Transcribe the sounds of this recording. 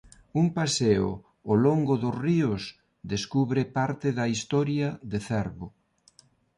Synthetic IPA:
umpaseʊ̰ | oloŋɡʊðʊsriʊs | ðeskuβɾepaɾt̪ɪðɐist̪ɔɾjɐðeθɛɾβʊ

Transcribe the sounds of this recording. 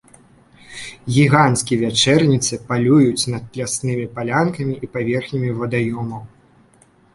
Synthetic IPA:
ɣʲiɣanskʲivʲat͡ʂɛrnʲit̪sɨpalʲujut͡sʲnɐt̪̚plʲasnɨmʲipalʲankɐmʲiʔipavʲɛrxnʲimʲivɐd̪ajɔmɐw

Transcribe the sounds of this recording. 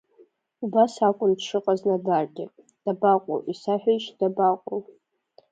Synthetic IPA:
ubasakʷʼʊndʂɨqʼaznadarɡʲɪ | d̥abaqʷʼo̰wʔisaħʷᶣaʃd̥abaqʷʼow

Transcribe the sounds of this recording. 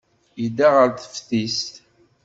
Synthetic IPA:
jid̪aʁəɾθə̥fθistt̪

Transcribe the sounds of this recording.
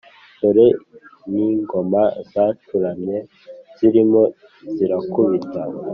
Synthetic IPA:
toɾeniŋɡo̞mazaːtuɾamɲe | z̥iɾimo̞ | ziɾakuβita

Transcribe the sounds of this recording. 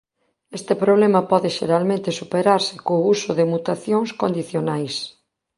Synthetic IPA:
est̪ɪpɾoβ̞lemɐpɔðɪʃeɾalmẽnt̪ɪsupeɾaɾsɪ̥kousʊðemut̪aθjoŋskond̪iθjonajs

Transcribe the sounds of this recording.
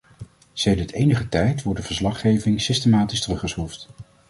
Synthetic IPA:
sejdəɹtejnəχətɛjtʋɔɹ̚dəv̥əɹslɑχejvɪŋsɪstemaːtistərɵχəsχuft

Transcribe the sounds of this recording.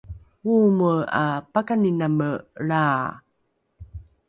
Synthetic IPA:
uməa̰pakaninaməɭaː

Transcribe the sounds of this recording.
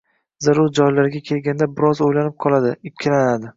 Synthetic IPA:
zaɾʊɾd͡ʒɒjlaɾɡʲakʲʰe̞lɡʲand̪abɪɾɒzojlanɪp̚qʰɒlˠad̪ɪɪpkʲʰːɪlanad̪ɪ

